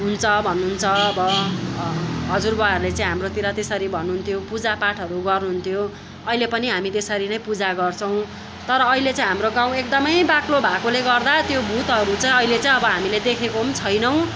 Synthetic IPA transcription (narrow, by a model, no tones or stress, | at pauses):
ɦunt͡sʰʌbʱʌnːuɦunt͡sʰʌʌbʌ | ɦʌd͡zurbʌaɾulet͡saĩɦamrot̪iɾʌt̪esʌɾibʱʌnːuɦunt̪ʰjopud͡zapaʈʰʌɾuɡʌrnuɦunt̪ʰjo | ʌɦilepʌniɦamit̪esʌɾinʌj̃pud͡zaɡʌrt͡sʰʌ̃w̃ | t̪ʌɾʌːɦilet͡sãĩɦamroɡãw̃ek̚d̪ʌmʌjbaklobʱakoleɡʌrd̪at̪jobʱut̪ɦʌɾut͡sãĩʌilet͡sãĩʌbʌɦamiled̪ekʰekomt͡sʰʌjnʌw̃